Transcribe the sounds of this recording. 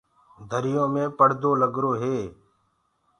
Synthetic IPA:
d̪ʱəɾɪjõːmẽːpəɽ̤d̪ʱoːləɡɾoːɦeː

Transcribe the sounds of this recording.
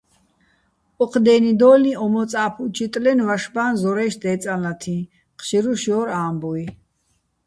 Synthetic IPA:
ɔqʰd̪ɛːnid̪ɔːlniɔmɔt͡sʼaːpʰut͡ʃʰit̪ʼlɛnvaʃbaːnzɔɾɛʃd̪ɛːt͡sʼalat̪ʰĩ | qʰʃiɾuʃjɔːɾaːmbui

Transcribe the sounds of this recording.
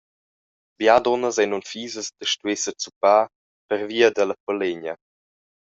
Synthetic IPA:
bjad̪ɔnəzɛnunfiːzəsd̪əʃtuesət͡supaː | pəɾviːəd̪ələpɔleɲə

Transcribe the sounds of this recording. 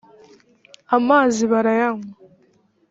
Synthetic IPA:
amːaziβaɾajaŋ

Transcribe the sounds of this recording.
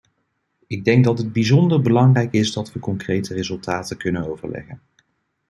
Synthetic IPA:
ɪɡ̚dɛŋɡ̚dɑtəd̚bizɔndəɹbəlɑŋrɛjkɪzdɑtʋəkɔŋkrejtərezɵlˠtaːtəkɵnənowvə̰ɹlɛ̰χən

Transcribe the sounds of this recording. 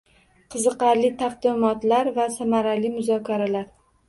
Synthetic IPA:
qʰɨzɨqɑɾlɪt̪ʰaqd̪ɪmɒt̪laɾvasamaɾalɪmʊzɒkʲʰaɾalaɾ

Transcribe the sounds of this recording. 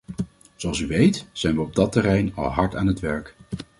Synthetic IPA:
zoɑlˠs̬yʋejtz̥ɛjnʋəɔb̚dɑtɛrɛjnɑ̰lˠɦɑɹtaːnɦətʋɛɹk

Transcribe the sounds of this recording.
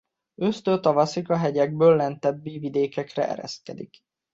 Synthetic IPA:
øst̪øːt̪ɒvɒsikɒɦɛɟɛɡ̚bøːlːɛnt̪ɛbːiːvid̪eːkɛkrɛ̰ʔɛ̰ɾɛ̰st̪̚kɛd̪ḭk

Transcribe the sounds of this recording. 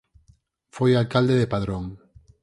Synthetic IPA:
fojalkald̪eðepaðɾoŋ

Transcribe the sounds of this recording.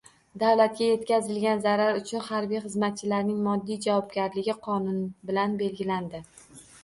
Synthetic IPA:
d̪avlat̪̚ɡʲaje̞t̪kʲazɪlɡʲanzaɾaɾʊt͡ʃʰʊnhaɾbijχɨzmat̪̚t͡ʃʰɪlaɾnɪŋmɒd̪ːijd͡ʒavɒbɡʲaɾlɪɡʲɪqʰɒnʊnbɪlanbe̞lɡʲɪland̪ɪ

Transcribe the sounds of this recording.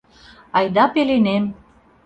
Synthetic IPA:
ɑjd̪ɑpelenem

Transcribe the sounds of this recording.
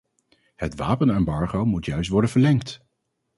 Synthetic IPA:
hətʋa̰ːpənɛmbɑɹχowmutjœɥstʋɔɹdənvəɹlɛŋkt

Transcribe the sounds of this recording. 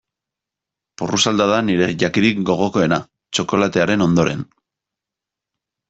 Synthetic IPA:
purusald̪að̞aniɾe̞ʝakiðikɡo̞ɣ̞o̞ko̞e̞na | t͡ʃo̞ko̞lat̪e̞aɾe̞no̞nd̪o̞ɾe̞̰n

